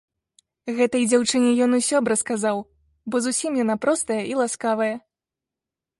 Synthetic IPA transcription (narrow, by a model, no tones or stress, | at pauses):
ɣɛt̪ɐjd͡zʲawt͡ʂɨnʲɛjɔnusʲɔbɾɐskazaw | bɔzusʲimjanapɾɔst̪ɐjɐʔilˠaskavɐjɐ